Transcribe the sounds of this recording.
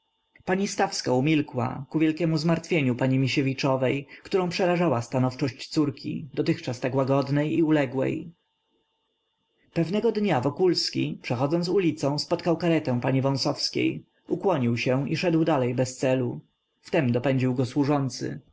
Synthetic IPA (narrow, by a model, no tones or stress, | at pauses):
paɲist̪afskaumʲilkwa̰kuvʲjɛlkʲɛmuzmaɾt̪fʲjeɲupaɲimʲiɕevʲit͡ʂɔvɛjkt̪uɾɔ̃pʂɛɾaʐawast̪anɔft͡ʂɔɕt͡ɕt̪suɾkʲʰḭd̪ɔt̪ɘxt͡ʂast̪akwaɡɔd̪nɛjiulɛɡwɛ̰j | pɛvnɛɡɔd̪ɲavɔkulskʲḭpʂɛxɔd̪zɔnt̪ulʲit̪sɔ̃w̃spɔt̪kawkaɾɛt̪ɛ̃w̃paɲivɔ̃w̃sɔfskʲḛj | ʔukwɔɲiwɕɛiʂɛd̪wd̪alɛjbɛst̪sɛlu | ft̪ɛmd̪ɔpɛɲd͡ʑiwɡɔswuʐɔnt̪sɘ̰